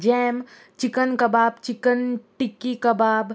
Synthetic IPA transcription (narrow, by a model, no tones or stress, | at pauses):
d͡ʒɛːm | t͡ʃɪkənkɐbaːbt͡ʃɪkənʈikikɐbaːb